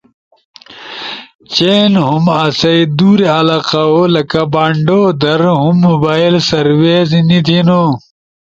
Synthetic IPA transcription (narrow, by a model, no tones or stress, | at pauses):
t͡ɕeːnɦumɐsɐid̪uːɾeɐlaːqaolɐkabaːɳɖoːd̪ɐɾɦumːubaːilsɐɾweːznit̪ʰino